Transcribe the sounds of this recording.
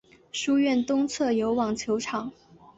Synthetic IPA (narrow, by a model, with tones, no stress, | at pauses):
ʂu˥ɥɛ˥˩nt̪ʊ˥ŋt͡sʰɤ˥˩jo˧˥ʊwɑ˨˩ŋt͡ɕʰjo˧˥ʊʈ͡ʂʰɑ˨˩˦ŋ